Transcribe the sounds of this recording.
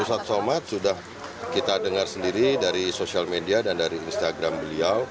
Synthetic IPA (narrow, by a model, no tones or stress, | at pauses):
usat̪̚somat̪̚sudah | kit̪adəŋarsəndiɾidaɾisosialmediadandaɾiːnst̪aɡɾambəliaw